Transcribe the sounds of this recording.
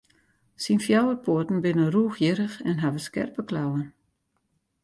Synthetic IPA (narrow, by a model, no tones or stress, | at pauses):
sinfjawərpʰoətn̩bɪnəruːxjɪɾəxɛnɦavəskɛ̰rpəklawən